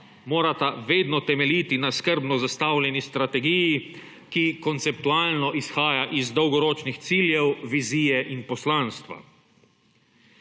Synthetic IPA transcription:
moːɾat̪aʋeːd̪nɔt̪ɛmɛlit̪inaskəɾbnɔzast̪awlʲjɛnist̪ɾat̪ɛɡiji | kikɔnt̪sɛp̚t̪uaːlnɔʔisxaːjaʔizd̪ɔwɡɔɾoːt͡ʃnixt̪siːljɛwʋiziːjɛʔinpɔslãːnst̪ʋa̰

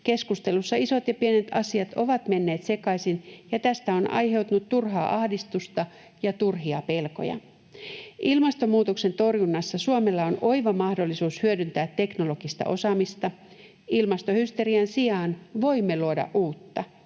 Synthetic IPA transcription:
ke̞skust̪e̞lusːɑiso̞t̪jɑpienet̪ɑsiɑt̪o̞ʋɑt̪me̞nːe̞ːt̪se̞kɑisinjɑt̪æst̪æo̞nɑ̰jɦe̞wt̪unut̪turɦɑːʔɑhdist̪ust̪ɑ | jɑt̪urɦiɑpe̞lko̞̰jɑ̰ | ʔilmɑst̪omuːt̪okse̞nt̪o̞rjunːɑsːɑsuome̞lːɑono̞iʋɑmɑhdo̞lːisuːshyødynt̪æːt̪ːe̞kno̞lo̞ɡ̥ist̪ɑ̰ʔo̞sɑmist̪ɑ | ilmɑst̪ohyst̪e̞ɾiɑnsiɑːnʋo̞imːeluodɑ̰ʔʔuːt̪ːɑ

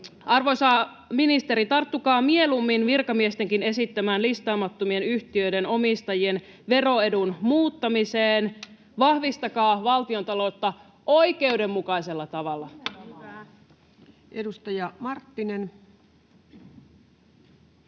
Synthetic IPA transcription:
ɑrʋosɑ | minist̪e̞ɾit̪ɑrt̪ːukɑːmie̞lumːinʋirkɑmiest̪e̞ŋkine̞sit̪ːæmæːnlist̪ɑːmɑt̪ːomie̞nyçt̪iø̞jde̞no̞mist̪ɑjie̞n | ʋe̞ro̞e̞dunmuːt̪ːɑmiseːn | ʋɑhʋist̪ɑkɑːʋɑlt̪io̞nt̪ɑlo̞t̪ːɑ | ʔo̞ike̞ude̞mːukɑjse̞lːɑt̪ɑʋɑlːɑ | edust̪ɑjɑmɑrt̪ːinen

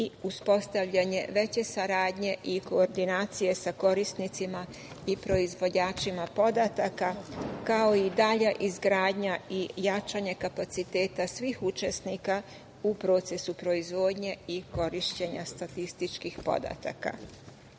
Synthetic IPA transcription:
iuspo̞st̪aʋʎaɲe̞ʋe̞t͡ɕe̞saɾaːd̪ɲe̞ʔiko̞ːɾd̪inaːt̪sije̞sako̞ɾist̪nit̪sima | ipɾo̞izʋo̞d͡ʑaːt͡ʃimapo̞d̪at̪akakao̞id̪aʎaʔizɡɾaːd̪ɲaijat͡ʃaɲe̞kapat̪sit̪e̞ːt̪asʋiːxut͡ʃe̞snika | upɾo̞ːt̪se̞supɾo̞izʋo̞ːd̪ɲe̞iko̞ɾiʃt͡ɕe̞ɲast̪at̪ist̪it͡ʃkixpo̞̰d̪a̰t̪a̰ka̰

